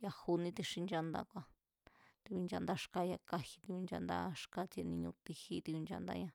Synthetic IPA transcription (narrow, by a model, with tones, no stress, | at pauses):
ja˧hu˧nĩ˧t̪i˧ʂi˧nd͡ʒa˧nd̪a̰˧kʷã˧ | t̪i˧βi˧nd͡ʒa̰˧nd̪a˧ʂka˦ja˧ka˦˧hi˧t̪i˧βi˧nd͡ʒa̰˧nd̪a̰˦ʂka˦t͡se˧nĩ˧ɲũ˧t̪i˧hi˦t̪i˧βi˧nd͡ʒa̰˧nd̪a̰˧ɲã˧